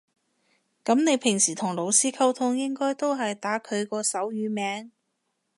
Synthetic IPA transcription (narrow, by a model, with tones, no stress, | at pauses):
kɐ˨˥mne˨˧jpʰɪ˨˩ŋsiː˨˩t̪ʰʊ˨˩ŋlo˨˧wsiː˥kʰɐ˥wt̪ʰʊ˧ŋjɪ˥ŋkɔː˥jt̪o˥wɦɐ˨jt̪aː˨˥kʰɵ˨˧ɥkɔː˧sɐ˨˥wjyː˨˧mɛː˨˥ŋ